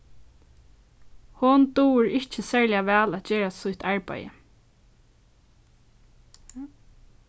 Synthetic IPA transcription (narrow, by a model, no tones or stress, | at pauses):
hʊnt̪uːɹɪht͡ʃəsɛɹlɪjaʋɛːlæt̪t͡ʃeːɹasʊjht̪aɹpa̰jə̰